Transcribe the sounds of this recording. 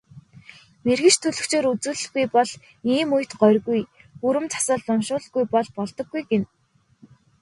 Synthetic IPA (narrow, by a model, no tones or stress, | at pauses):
merɣɘ̆t͡ɕt̪ʰɵɮɵ̆xt͡ɕʰeːɾut͡suːɮɘ̆xɡujpɔɮ | iːmʊjʰt̪ɢœrɣuj | uɾɘ̆mt͡sʰḁsə̆ːɮːʊnʃʊːɮɣujpɔɮpɔɮt̪ɞ̆ɡːujɡen